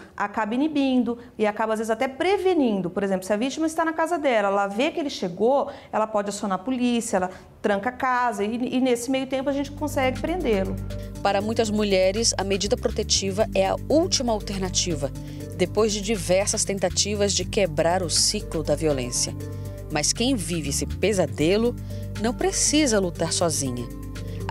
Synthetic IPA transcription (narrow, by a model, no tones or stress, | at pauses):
a̰kabɐinibĩnd̪ʊ | ɪakabɐazvezɪzat̪ɛpɾevenĩnd̪ʊpoɾezẽmplʊsɪɐvit͡ʃimɐist̪anɐkazɐd̪ɛlɐɛlɐvekɪelɪʃeɡo | ɛlɐpɔd͡ʒɪasõnaɾpulisiɐɛlɐ | t̪ɾɐ̃ŋkɐakazɐɪːnesɪmejʊt̪ẽmpʊaʒẽnt͡ʃɪ̥kõsɛɡɪpɾẽnd̪elʊpaɾɐmũj̃t̪ɐzmuʎɛɾɪsɐmed͡ʒid̪ɐpɾot̪et͡ʃivɐʔɛɐ̰uwt͡ʃimɐawt̪eɾnat͡ʃivɐ | d̪epojzd͡ʒɪd͡ʒivɛɾsɐst̪ẽnt̪at͡ʃivɐzd͡ʒɪkebɾaɾʊsiklʊd̪ɐviolḛ̃sijɐ | mɐskẽj̃vivɪesɪpezad̪elʊ | nɐ̃w̃pɾesizɐlut̪aɾsɔzĩɲɐ